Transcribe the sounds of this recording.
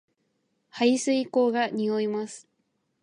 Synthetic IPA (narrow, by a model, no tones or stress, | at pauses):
haisɨiko̞ːɡaɲioimasɨ̥